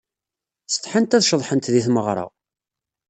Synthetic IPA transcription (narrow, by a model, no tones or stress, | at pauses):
st̪ːˤħənt̪æðʃəðˤħənt̪ðiθməʁɾˤɑ̰